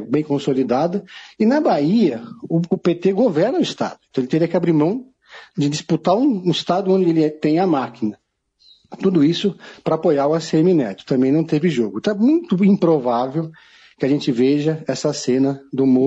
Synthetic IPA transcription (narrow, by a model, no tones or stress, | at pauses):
bẽj̃kõsolid̪ad̪ɐɪnɐbaiɐʊpet̪eɡovɛɾnɐʊist̪a̰d̪ʊɪẽt̪ɐ̃w̃elɪt̪eɾiɐkɪabɾimɐ̃w̃ | d͡ʒɪd͡ʒisput̪aɾũɪst̪ad̪ʊõnd͡ʒɪelɪɛt̪ẽj̃ɐmakinɐ | t̪ud̪ʊisʊpɾɐapojaɾʊaseeminɛt̪ɪ̥t̪ɐ̃mbẽj̃nɐ̃w̃t̪evɪʒoɡʊt̪ɐ̃ɛmũj̃t̪ʊĩpɾovavew | kɪaʒẽnt͡ʃɪveʒɐɛsɐsẽnɐd̪ʊmo